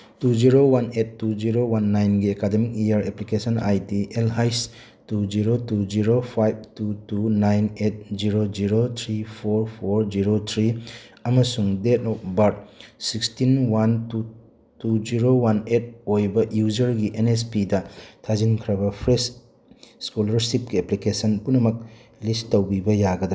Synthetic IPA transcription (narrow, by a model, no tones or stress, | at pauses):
tud͡ʒiɾowanetːuziɾowanːajnɡiekademik̚iaɾeplikesɔnajtiʔelɦajs | tuziɾotuziɾopʰajb̚tutunajnet̚ziɾoziɾot̪ʰɾipʰoɾpʰoɾziɾotʰɾiɐmɐsuŋdetɔp̚bɐɾt̚sikstinwantu | tud͡ʒiɾowanet̚ojbɐjuzɐɾɡiʔenes̬pidɐtʰazinkʰɾɐbɐpʰɾes | skulɐɾsip̚ɡieplikesɐnpunɐmɐk̚listːɐwbibɐjaɡɐdɾ